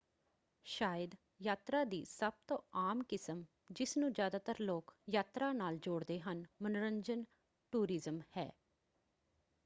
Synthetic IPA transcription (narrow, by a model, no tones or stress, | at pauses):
ʃaːjəd̪ | jaːt̪ɾaːd̪iːsəb̚t̪õːaːmkɪsəm | d͡ʒɪsnũːd͡ʒjaːd̪aːt̪əɾloːkjaːt̪ɾaːnaːld͡ʒoːɽd̪eːɦənmənʊɾəɲd͡ʒən | ʈuːɾɪzəmhɛ̰ː